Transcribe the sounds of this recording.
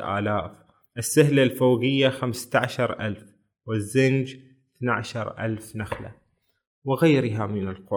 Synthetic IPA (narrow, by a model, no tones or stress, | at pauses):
ʔa̰ːlaːf | ʔɪsːahlalfaːɡɪjːaxamst̪aʕaʃɑɾˤʔa̰lf | wɪzːɪnd͡ʒ | θnaʕaʃɑɾˤʔa̰lfnaxla̰ | wɪɣajɾɪɦamɪnɪlqʊ